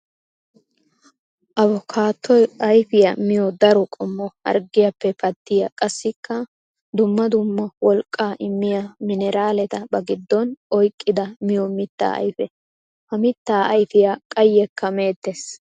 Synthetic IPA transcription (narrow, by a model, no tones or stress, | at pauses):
ʔɐβɔkʰaːt̪ːɔjɐjfɪjɐmɪjɔd̪ɐɾɔkʼɔmːɔhɐ̰ɾɡɪjɐpːɛpɐd̪ːɪjɐkʼɐsːɪkːɐ | d̪ʊmːɐd̪ʊmːɐwɔlkʼːaːʔɪmːɪjɐmɪnɛɾaːlɛt̪ɐbɐɡɪd̪ːɔnɔjkʼːɪd̪ɐmɪjɔmɪt̪ːa̰ːʔɐ̰jfɛ | hɐmɪt̪ːaːɐjfɪjɐkʼɐjːɛkːɐme̞ːt̪ːes